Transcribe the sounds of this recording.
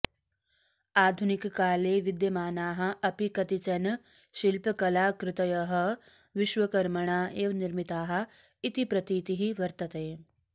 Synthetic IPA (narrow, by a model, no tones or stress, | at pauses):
aːd̪ʱunikːaːleːʋɪd̪jɐmaːnaːɦɐ̆ɐpikɐt̪it͡ʃɐn | ʃilpɐkɐlaːkɾɪt̪ɐjɐɦɐ̆ | ʋɪʃʋɐkɐɾmɐɳaːeːʋniɾmit̪aːɦɐ̆ | it̪ipɾɐt̪iːt̪iɦiʋɐɾt̪ɐt̪eː